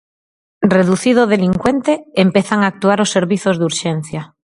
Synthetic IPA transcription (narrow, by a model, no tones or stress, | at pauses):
reðuθið̞oðeliŋkwent̪eːmpeθaŋaːk̚t̪uaɾosːeɾβiθozðuɾʃen̟θja